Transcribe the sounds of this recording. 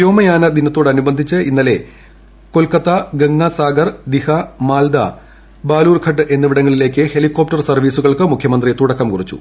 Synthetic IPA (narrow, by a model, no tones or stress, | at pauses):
joːmɐjaːnɐd̪inɐt̪ːo̞ːɽɐnubɐnd̪ʱit͡ɕːɨinːɐle̞ | ko̞lkɐt̪ːɐɡeŋːɐsaːɡɐrd̪ihɐmaːld̪ɐ̰ | baːluːrkʰɐʈ̬ːɨʔe̞nːɨʋiɽɐŋːɐɭile̞ːkʲːɨhe̞likːo̞ːp̚tɐrsɐrʋiːsuɣɐɭkɨmukʰjɐmɐnd̪rit̪uɽɐkːɐmkurit͡ɕːṵ